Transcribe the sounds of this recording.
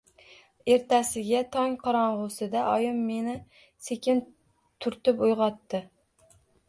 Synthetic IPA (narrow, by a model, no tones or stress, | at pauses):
e̞ɾt̪ʰasɪɡʲat̪ʰɒŋqʰɒɾɒɴʁʊsɪd̪aʔɒjɪmːe̞nɪ | se̞kʲʰɪn | t̪ʰʊɾt̪ɪpʊjʁɒt̪ːɪ